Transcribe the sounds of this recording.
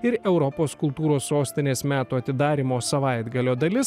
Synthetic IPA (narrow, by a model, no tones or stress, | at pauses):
ɪɾɛʊɾɔpoːskʊlˠt̪uːɾoːsːoːsʲt̪ʲɪnʲeːsmʲæːt̪uːɐt̪ʲɪd̪ɑːɾʲimoːsɐʋɑɪd̪ɡɐlʲoːd̪ɐlʲɪs